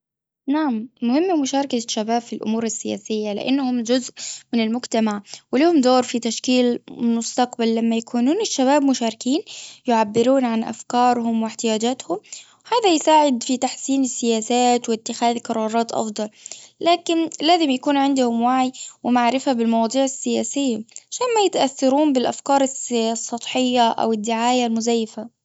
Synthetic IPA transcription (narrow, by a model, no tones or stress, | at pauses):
naʕamːʊhɪmːamʊʃɑːɾˤɑkaʃːabaːbfilʔʊ̰muːɾɪsːɪja̰ːsɪjːalɪ̰ʔa̰nːhʊmd͡ʒʊzʔmɪnɪlmʊɡt̪amaʕwɪlihʊmd̪oːɾˤfit̪aʃkiːlmʊst̪ɑqbalːamːajakuːnuːnɪʃːaβaːbmʊʃaːɾɪkiːnjʊʕabːɪɾuːnʕanʔa̰fkɑːɾˤhʊmwɪħt̪ɪjaːd͡ʒaːt̪hʊm | haːðajsaːʕɪd̪fit̪aħsiːnɪsːɪjaːsaːt̪wɪt̪ːɪxaːðqɑɾˤɑːɾˤɑːt̪ʔɑ̰fd̪ˤɑllaːkɪnlaːzɪmjakuːnʕɪnd̪ʊhʊmwaʕijwɪmaʕɾɪfabɪlmɑwɑːd̪ˤiːʕɪsːɪjaːsɪjːaʕaʃaːnmajɪt̪aʔaθːɑɾuːmbɪlʔa̰fkɑːɾˤɑssˤːɑt̪ˤħɪjːaʔa̰wɪd̪ːɪʕaːjalmʊzajːɪfa